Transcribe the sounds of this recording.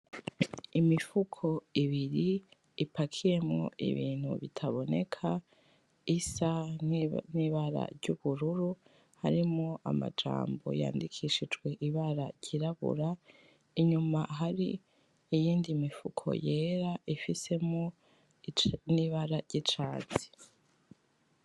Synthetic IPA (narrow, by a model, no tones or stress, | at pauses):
imifukʰo̞iβiɾiː | pakʰije̞mŋo̞̰ʔḭβiːn̥hṵβitʰaβo̞ne̞̰kʰa | isa | niβaɾa̰ɾɟuβuɾuɾu | haɾimŋoʔa̰ma̰d͡ʒa̰ːmbo̞̰ja̰ːndikʰiʃid͡ʒɡwe̞ʔiβaɾaɾɟiɾaβṵɾa | iɲumaɦaɾi | ijiːndimifukʰo̞̰je̞ːɾaʔifise̞mŋo | niβaɾaɾɟit͡ʃaːt͡si̥